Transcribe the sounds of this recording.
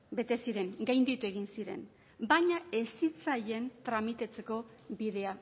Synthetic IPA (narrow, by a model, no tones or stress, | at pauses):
be̞t̪e̞siɾe̞ŋɡajnd̪it̪ue̞ɣ̞insiɾe̞̰n | baɲae̞sit͡saje̞nt̪ɾamit̪at͡se̞ko̞biðe̞a